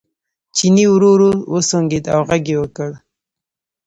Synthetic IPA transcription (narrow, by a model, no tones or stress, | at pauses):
t͡ʃiniwɾuɾuwəsoŋɡid̪a̰wɣaɡewəkəɽ